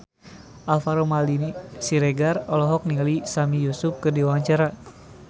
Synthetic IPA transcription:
ʔafaɾomalinisiɾɛɡarɔlɔɦɔk̚nilisamijusuf̚kɨrdiwawaɲt͡ʃaɾa

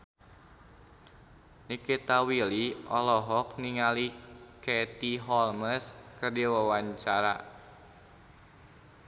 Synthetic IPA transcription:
nikit̪awiliʔɔlɔɦɔk̚niŋaliket̪iɦɔlməskərdiwəwaɲt͡ʃaɾa̰

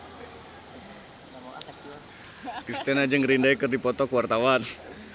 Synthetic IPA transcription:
kɾist̪ɛnad͡ʒəŋɾindaikərdipɔt̪ɔkəwart̪awan

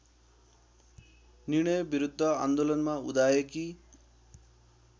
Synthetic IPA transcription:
nirɽ̃ʌjbiɾud̪ʱːʌa̰nd̪olʌnmaud̪ajeki

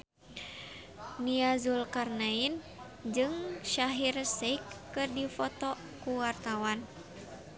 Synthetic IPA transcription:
niazulkarnain | d͡ʒɨŋʃaɦirsekːɨrdifɔt̪ɔ | kuwart̪awan

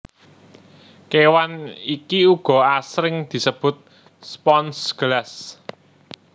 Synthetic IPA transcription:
kewanikiuɡ̥ɔ̤asɾɪŋd̪̥i̤səb̥ʊ̤t̪̚ | spɔnsɡ̥əlas

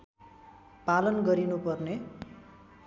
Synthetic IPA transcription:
palʌnɡʌɾinupʌrne

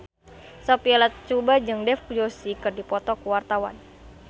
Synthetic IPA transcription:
sɔpiɛlat̪̚t͡ʃubad͡ʒɨŋdɛfkud͡ʒosikɨrdipɔt̪ɔkuwart̪awa̰n

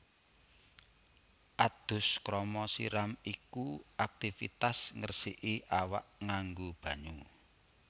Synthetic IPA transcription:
ʔad̪̥ʊ̤skɾɔmɔsḭɾamikuʔak̚t̪ifḭt̪asŋərsiʔiʔawa̰ʔŋaŋɡob̥ä̤ɲu

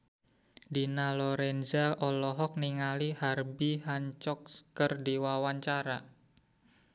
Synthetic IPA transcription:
dinalɔɾɛnzaʔɔlɔɦɔk̚niŋaliharbiɦaɲt͡ʃɔkkərdiwawaɲt͡ʃaɾa

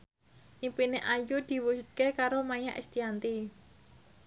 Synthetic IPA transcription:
ʔimpineʔajud̪̥i̤wusut̪̚kekaɾomajaʔest̪iant̪i

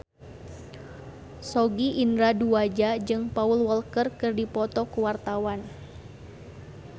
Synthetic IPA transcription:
sɔɡiʔinɾaduad͡ʒad͡ʒɨŋpaulwəlkərkɨrdipɔt̪ɔkuwart̪awan

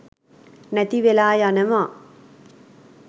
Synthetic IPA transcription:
nɛt̪iʋelaːjanɐma

